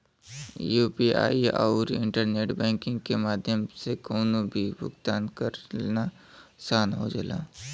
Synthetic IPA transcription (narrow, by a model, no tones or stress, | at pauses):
juːpia̰ːiɔ̰ːɾɪ̰̃ɳʈəɾneːʈbɛ̃ːŋkɪ̃ŋɡkemaːd̪ʱjəmsekoːnobʱibʊ̰ɡt̪aːnkəɾna | saːnɦo̰d͡ʒḛːla̰ː